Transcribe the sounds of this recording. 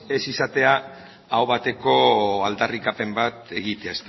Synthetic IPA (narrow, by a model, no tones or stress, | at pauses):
e̞sisat̪e̞a | aowβat̪e̞ko̞ald̪arikape̞mbat̪e̞ɣit̪eaest̪